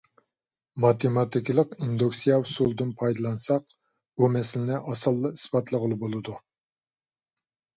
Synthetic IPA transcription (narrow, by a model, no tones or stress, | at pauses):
mɑt̪ʰemɑt̪ʰɪkʲlˠəqind̪uksijɑsulˠd̪ɨnpʰɑjd̪ɨlˠɑnsɑq̚ | bumɛslɪnɪʔɑsɨlˠːɨi̥spɑt̪ʰlˠəʁəlˠɨbolˠɨd̪u